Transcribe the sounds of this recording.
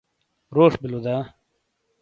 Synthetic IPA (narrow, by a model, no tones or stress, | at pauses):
ɾoːʂbilud̪aː